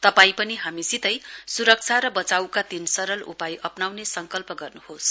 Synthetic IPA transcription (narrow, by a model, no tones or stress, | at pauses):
t̪ʌpaĩpʌniɦamisit̪ʌjsuɾʌk̚t͡sʰaɾʌbʌt͡sawkat̪insʌɾʌlṵpajʔʌpnawnesʌŋkʌlpʌɡʌrnuhos